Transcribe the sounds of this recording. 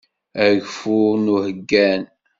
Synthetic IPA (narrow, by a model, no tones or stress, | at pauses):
æʝfunuhəɡːæn